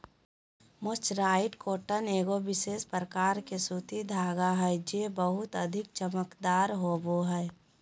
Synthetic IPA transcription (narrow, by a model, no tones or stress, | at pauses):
mʊt͡ʃɾaːɪʈkoːʈəneːɡobɪʃeːspɾəkaːɾkesuːt̪id̪ʱaːɡaɦɛːd͡ʒeːbəɦʊt̪əd̪ʱɪk̚t͡ʃəməkd̪aːɾɦoːboɦɛː